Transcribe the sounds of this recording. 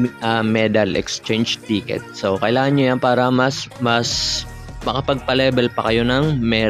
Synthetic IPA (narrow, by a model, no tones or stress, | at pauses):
ʔɐmɛd̪ɐlɛ̰kst͡ʃɛjnd͡ʒt̪iːkɛ̰t̪̚sokɐʔɪlaːŋɐnɲojanpaːɾɐmɐsmɐs | mɐkɐpɐɡ̚pɐlɛːbɛlpɐkɐjo̞nɐŋmɛː